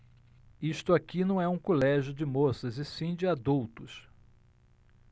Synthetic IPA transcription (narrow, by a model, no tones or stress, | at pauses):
iʃt̪ʊakinɐ̃w̃ɛũkolɛʒjʊd͡ʒɪmosɐzɪsĩd͡ʒɪad̪uwt̪ʊs